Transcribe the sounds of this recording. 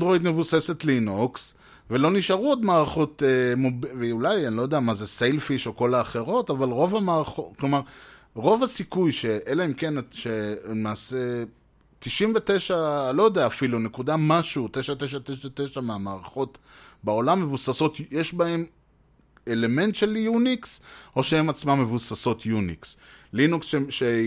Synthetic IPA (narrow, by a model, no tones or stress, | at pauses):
ndʁoid̪me̞vusese̞t̪linoks | velo̞niʃaʁuod̪maːʁaχo̞t̪emobveulajanlo̞jodeamazesejlfiʃoko̞laːχe̞ʁo̞tavalʁo̞vamaːʁaχoklo̞maʁ | ʁo̞vasikujʃeʔelaemkenaʃelemaːse | t̪iʃinvete̞ʃaːlo̞jodeaːfilune̞kudamaʃuutejʃat̪eʃ̬ateʃaet̪eʃameamaːʁaχo̞t | bao̞lamːe̞vusaso̞tjeʃbae̞m | ele̞me̞nt̪ʃelijunikso̞ʃeemat͡smamːevusaso̞t̪ʰjunḭkslinuksʃeʃe